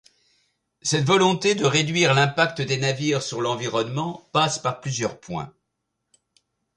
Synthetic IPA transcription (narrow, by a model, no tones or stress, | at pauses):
sɛt̪vɔlɔ̃t̪ed̪əʁed̪ɥiʁlɛ̃pak̚t̪əd̪enaviʁsyʁlɑ̃viʁɔnmɑ̃paspaʁplyzjœʁpwɛ̰̃